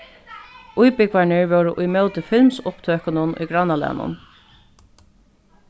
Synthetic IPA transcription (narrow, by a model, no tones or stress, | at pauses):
ʔujpɪkʋaɳɪɹvɛːɾʊʔʊjmœwt̪ɪfɪlmsʊpt̪ʰøːhkənʊnʊ̰jɡɾanːalɛ̰nʊ̰n